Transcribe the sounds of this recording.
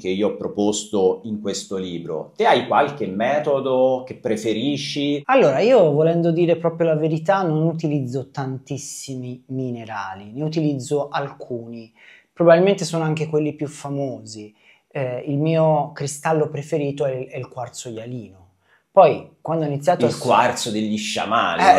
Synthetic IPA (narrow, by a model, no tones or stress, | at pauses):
keiːoɔpːɾopost̪oiŋkwest̪oliːbɾo̰t̪eajkwalk̟emːɛːt̪od̪okepːɾefeɾiːʃːialːoːɾaiːovolɛnd̪od̪iːɾepɾɔːpɾjolaveɾit̪anːonut̪̬ilid̪zːot̪ant̪isːimimineɾa̰ːlineut̪ilid̪zːoʔalkʰuːni | pɾobabilment̪esoːnoaŋk̟ekwelːipjufːamoːzi | ɛilmiːokɾist̪alːopɾefeɾiːt̪oɛɛilkwart̪sodjaliːno | pɔjkwand̪oɛinit̪sːjaːt̪oakwart̪sod̪eʎːiʃːa̰ma̰ːlɛ